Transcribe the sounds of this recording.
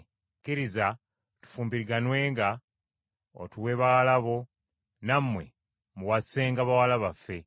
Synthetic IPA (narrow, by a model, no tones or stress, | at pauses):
kiɾiza | tu̥fuːmbiɾiɡanwe̞ːŋɡa | o̰tuwe̞βawalaβo̞ | namːwe̞̰ | muwase̞ːŋɡaβawalaβafːe̞